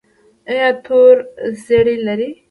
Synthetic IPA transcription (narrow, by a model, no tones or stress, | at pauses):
əjat̪ʰoɾzeɽilaɾi